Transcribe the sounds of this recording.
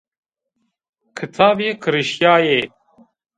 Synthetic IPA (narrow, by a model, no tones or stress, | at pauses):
kʰɨt̪ʰaːbeːkʰɨɾɨʃjaːjeː